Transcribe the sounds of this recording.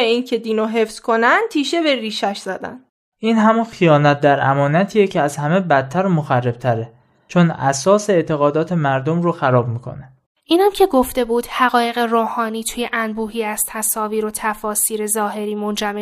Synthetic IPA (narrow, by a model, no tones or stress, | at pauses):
eiːncʰed̪inoɦefz̥kʰonænt̪ʰiːʃebeɾiːʃæʃz̥æd̪æ̰n | ʔiːnɦæmunxijɒːnæt̪̚d̪æɾæ̰mɒːnæt̪ʰiːjecʰeæzhæmebæt̪̚ʰːæɾomoxærːeb̥̚t̪ʰæɾe | t͡ʃʰonæ̰sɒːseeːt̪ʰe̞ɣɒːd̪ɒːt̪ʰe̞mæɾd̪omɾoxæɾɒːb̚miːkʰo̞̰ne | ʔiːnæmcʰe̞ɡo̞ft̪e̞buːd̪̥hæɣɒːje̞ɣeroːhɒːniːt̪ʰujeʔænbuːɦiːæst̪ʰæsɒːviːɾot̪ʰæfɒːsiːɾe̞zɒːɦe̞ɾiːmo̞nd͡ʒæme